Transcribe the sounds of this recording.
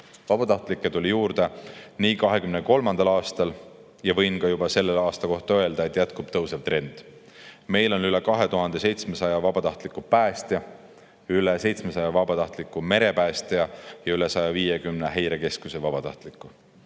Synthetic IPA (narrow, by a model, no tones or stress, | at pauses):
vɑb̥ɑt̪ɑht̪ˑlikːˑet̪ulʲijuːɾd̪̥e̞niːkɑɦe̞kymneko̞lmɑnd̪ɑlɑːst̪ɑl | jɑvɤjnkɑjubɑse̞lːelɑːst̪ɑko̞ht̪ɑø̞e̞ld̪ɑe̞t̪ˑjæt̪kub̥t̪ɤwsevt̪ɾe̞nd̪̥ | me̞jlo̞nylekɑɦe̞t̪uɦɑnd̪̥e̞se̞jt̪smesɑjɑvɑbɑt̪ɑht̪likːupæːst̪jɑ | ylese̞jt̪smesɑjɑvɑbɑt̪ɑht̪likˑːume̞ɾe̞pæːst̪eɑjɑyle̞sɑjɑviːjekymneɦejɾeke̞skusevɑb̥ɑt̪ɑ̰ht̪likːˑu